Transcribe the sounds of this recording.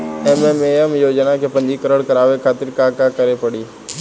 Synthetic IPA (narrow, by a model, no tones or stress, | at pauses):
ɛmemeəmjoːd͡ʒnakepə̃ɲd͡ʒikəɾəɽkəɾaːʋekʰaːt̪ɪɾkaːkakəɾepəɽiː